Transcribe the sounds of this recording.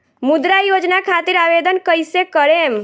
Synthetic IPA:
mud̪ɾajod͡ʒnakʰat̪iɾaʋed̪ənkəjsekəɾem

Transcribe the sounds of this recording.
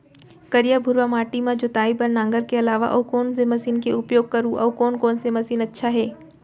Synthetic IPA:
kɐɾijabʱʊɾwamaːʈimãd͡ʒʊt̪aːibɐnːãːŋɡəɾkeɐlaːʋa̰ʔɐkɔːnsemɐsiːnkeʊpjoːɡ̚kɐɾũʔɐːkɔːnkɔːnsemɐsiːnɐtːʃʰaɦɛː

